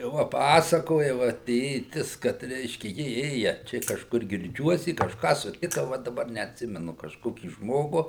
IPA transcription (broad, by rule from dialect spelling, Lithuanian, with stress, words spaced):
ˈʋɐ ˈpɑːsɐkoːjɛ ˈʋɐ ˈtʲeːtʲɪs kɐt ˈrʲɛɪʃʲkʲɛ ˈjɪ ˈeːjɛ ˈt͡ʃʲɛ kɐʃˈkʊr ɡʲɪrʲˈd͡ʒʲuɔs ɪ kɐʃˈkɑː sʊˈtʲɪkɐ ˈʋɐ dɐˈbɐr nʲɛɐtʲˈsʲɪmʲɛnʊ kɐʃˈkoːkʲiː ˈʒmoːɡʊ